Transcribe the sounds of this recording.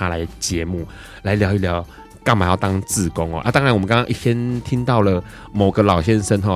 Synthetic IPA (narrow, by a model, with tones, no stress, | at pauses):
a˥la˨˧ɪt͡ɕjɛ˨˧˦mu˥˩ | la˧ɪljɑ˧˦ʊi˥˩ljɑ˧˦ʊ | ka˥˩ma˨˩jʊt̪ɑ˥ŋt͡sɹ̩˥˩ko˦˥ŋɔ̰˨ʔa̰˥˩t̪ɑ˥˦ŋɻa˧nwmə˦ŋkɑ˥ŋkɑ˥ʔi˥˩ɕʰjɛ˦nt̪ʰi˥ŋt̪ɑ˥˩ʊlə˩ | mo˨˩ʊɡə˨lɑ˨˩ʊɕjɛ˥nʂə˥nxɔ˥˩